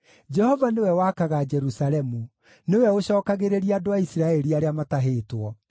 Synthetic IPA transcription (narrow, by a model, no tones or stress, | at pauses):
d͡ʒɛhɔvanewɛwakaɣad͡ʒɛɾusalɛmu | newɛoɕɔːkaɣeɾeɾiadoaisiɾaɛɾiaɾeamataɦeːtwɔ